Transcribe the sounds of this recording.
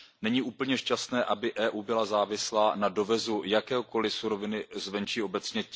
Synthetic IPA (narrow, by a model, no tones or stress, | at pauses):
nɛɲiːʔuːpl̩ɲɛʃcast̪nɛːʔabɪʔɛːʔuːbɪlazaːvɪslaːnado̞vɛzujakɛːɦoko̞lɪsuɾo̞vɪnɪzvɛnt͡ʃiːo̞bɛt͡sɲɛ